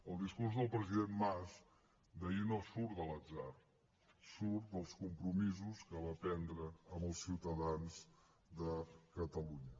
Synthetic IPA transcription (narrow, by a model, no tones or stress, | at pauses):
əlˠd̪iskuɾzðəlˠpɾəziðenmaz | d̪əinosuɾdələd͡zar | suɾt̪d̪əlˠskumpɾumizuskəβapɛnd̪ɾəːməlˠsiwt̪əðanz | d̪əkət̪əluɲə